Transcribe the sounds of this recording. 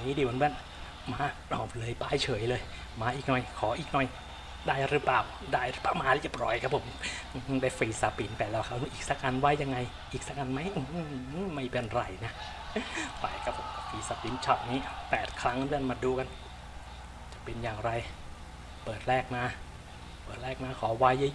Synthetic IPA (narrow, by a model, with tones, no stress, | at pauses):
ŋiː˦˥˩diː˧˩moː˨˦mɯ˧˩n | maː˧˥˩nɔː˨˩p̚lɤː˧jpaː˧˩jt͡ɕʰɤː˩˦jlɤː˧j | maː˧˥ʔiː˨˩k̚nɔ˨˩jkʰɔː˨˦ʔiː˨˩k̚nɔ˨˩j | daː˥˩jɾɯ˦˥paː˨˩w | daː˥˩jɾɯ˦˥paː˧˩wmaː˧li˧˥˩pɾɔː˨˦jkʰa˦˥pʰo˨˩˦m˧ | hdaː˧˥˩jfiː˨˧˩saː˧piː˧˩nt̪ɛː˨˩lɛː˧˩kʰa˦˥wna˧˦ʔiː˨˩k̚sa˧˥ka˧nwa˦˥jːa˧ŋːa˧j | ʔiː˨˩k̚sa˧˥ka˧nma˦˥jʔɯ˧˦ma˥˩jpe˧nɾa˧˩jna˦˥ | pa˧˩jkʰa˦˥pʰːo˨˦m˧˩fiː˨˩saː˧piː˧˦nt͡ɕʰɔ˦˥˩t̪̚niː˦˥pɛː˨˩t̪̚kʰɾa˦˥ŋɾɯ˥˧ənmaː˧duː˧ka˧n | t͡ɕa˨˩pe˧njaː˨˩ŋɾa˧j | pɤː˨˩t̪̚lɛː˥˩k̚maː˧˥ | pɤː˨˩t̪̚ɾɛː˥˩k̚naː˧˥˩kʰɔː˩˦wa˦˥jɯ˧˥